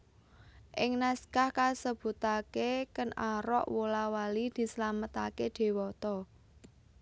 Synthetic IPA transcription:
ʔɪŋnaskahkasəb̥ṳt̪akekənaɾɔ̰ʔwolawalid̪̥i̤səlamət̪aked̪̥e̤wɔt̪ɔ

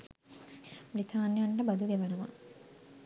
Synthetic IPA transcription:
mɾit̪ʰaːnjaɳʈəbɐd̪uɡeʋɐnəʋa̰

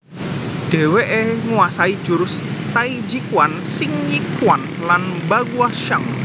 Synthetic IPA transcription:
ɖ̥ɛ̤weʔeŋuasaid̥ʒ̥uɾʊs | t̪aid͡ʒikwansɪŋjikwan | lanbaɡuaʃaŋ

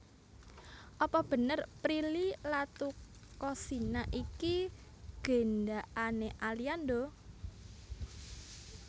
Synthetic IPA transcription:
ʔɔpɔb̥ə̤nərpɾililat̪u | kɔsinaʔiki | ɡ̥e̤nɖaʔaneʔaliand̪o

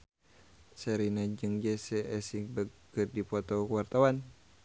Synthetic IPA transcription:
sɛɾinad͡ʒɨŋd͡ʒɛsɛʔɛsiŋbə | ɨrdipɔt̪ɔkəwart̪awan

